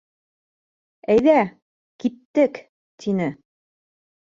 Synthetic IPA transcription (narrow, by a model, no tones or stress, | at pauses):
æjðæ | kit̪ːɘk | t̪ʰinɘ